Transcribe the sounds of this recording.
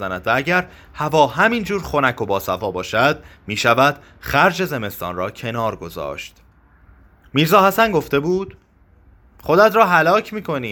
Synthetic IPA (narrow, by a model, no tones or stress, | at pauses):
zænæd̪vææɟæɾ | hævɒːɦæmind͡ʒuːɾxo̞nækʰo̞bɒːsæfɒːbɒːʃæd̪̥̚miːʃævæd̪̥ | χæɾd͡ʒe̞ze̞me̞st̪ɒ̰ːnrɒːcʰe̞nɒːɾɡo̞zɒ̰ːʃt̪ | miːɾzɒːhæsænɡo̞ft̪e̞buːd̪̥ | χo̞d̪æt̪ʰɾɒːɦælɒːcʰmiːkʰo̞niː